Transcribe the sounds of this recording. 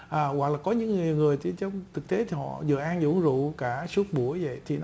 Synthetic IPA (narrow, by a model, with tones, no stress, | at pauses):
ʔəː˨˩ɣwa˨˩k̚laː˨˩kɔ˨˦ɲɨ̰˧˥ŋːɨ˨˩əwŋɨ˨˩əjt͡ɕt͡ɕə˧wŋ͡mt̪ʰɨ˨˩k̚t̪e˨˦t̪ʰi˨˩hɔ̰˧˨zɨ̰˧˨əʔaː˧nzṵ˧˥ŋzṵ˧˨kaː˧˩su˦˥ət̚ɓu˧˩əjvə̰˧˨jt̪ʰi˨˩n